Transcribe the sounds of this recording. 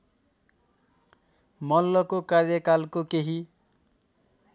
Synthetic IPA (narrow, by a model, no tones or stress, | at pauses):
mʌlːʌkokarjʌkalkokeɦi